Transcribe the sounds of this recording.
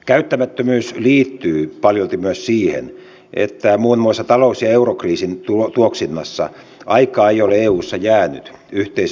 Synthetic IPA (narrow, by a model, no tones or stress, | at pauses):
kæyt̪ːæmæt̪ːømyːsliːt̪ːyːpɑljolt̪imyøssiːhḛn | ʔḛt̪ːæmuːnmuisːɑt̪ɑlousjɑeurokriːsint̪uot̪uoksinːɑsːɑ̰ | ɑikɑːeijoleeːuːsːɑjæːny̰t̪ | yht̪eis